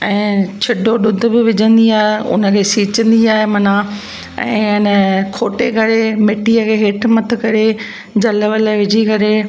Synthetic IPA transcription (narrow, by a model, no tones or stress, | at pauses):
ɛ̃ːt͡ɕʰɪɗʱoɗʊd̪ʱʊ̆bɪʋɪd͡ʑə̃nd̪iaːɦeʊ̰nə̆kʰeːsiːt͡ɕə̃nd̪iaːɦemɐna | ɛ̰̃ːnəkʰoːʈekɐɾemɪʈiəkʰeːɦeːʈʰmɐt̪ʰə̆kɐɾe | d͡ʑɐləʋəlaʋɪd͡ʑʱikɐɾe